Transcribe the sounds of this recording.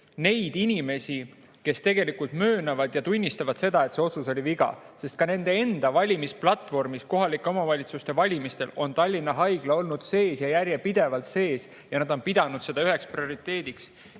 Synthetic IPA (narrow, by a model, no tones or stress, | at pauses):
ne̞jd̪̥inʲime̞si | ke̞st̪e̞ɡe̞likult̪mø̞ːnɑvɑd̪̥jɑt̪unʲːist̪ɑvɑd̪̥se̞d̪ɑe̞t̪se̞o̞t̪suso̞liviɡ̥ɑ̰ | se̞st̪̚kɑne̞nd̪̥e̞e̞nd̪̥ɑvɑlʲimisplɑt̪ːˑvo̞rmisko̞ɦɑlikːˑeo̞mɑvɑlʲit̪sust̪e̞vɑlʲimist̪e̞lo̞nt̪ɑlʲːinːɑɦɑjɡ̥lɑo̞lnud̪̥se̞ːsjɑjærjepid̪̥e̞vɑlt̪se̞ːs | jɑnɑd̪̥o̞npid̪̥ɑnud̪̥se̞d̪̥ɑyɦe̞ksprio̞ɾit̪ːˑe̞ːd̪̥iks